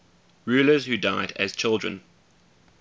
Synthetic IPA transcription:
ɹʉːləzhʉdaɪdə̰z̥t͡ʃʰɪlˠdɹə̰̃n

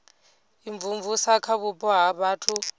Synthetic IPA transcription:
iɱvuɱvusakʰaβupʼɔɦaβaːtʰu

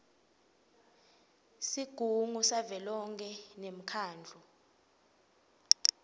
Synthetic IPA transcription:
siɡ̥ʱuŋusavɛlɔŋkʰʼɛnem̩kʰaːnd͡ɮʱɔ

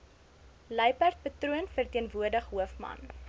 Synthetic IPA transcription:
ləjpært̚pətruənfərtiənvuərdəχɦuəfmɐ̰n

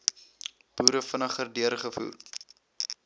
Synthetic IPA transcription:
b̥uːɾəfənəχərdyərχəfṵːr

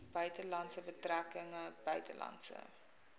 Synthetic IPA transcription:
b̥œɥtəlɐntsəbətrækəŋəb̥œɥtə̰lɑ̰ntsə̰

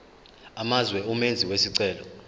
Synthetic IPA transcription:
amazwɛumend͡zʱiwesiǀɛːlɔ̰

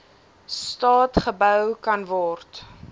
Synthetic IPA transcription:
stɑːtχəbœwkɐnvɔrt

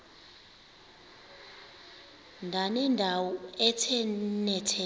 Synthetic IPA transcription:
ndʱanɛndʱawɔɛtʰɛnɛtʰɛ

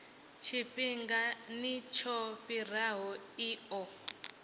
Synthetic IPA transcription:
t͡ʃʰipiŋɡanit͡ʃʰɔpir̤aɦɔiɔ

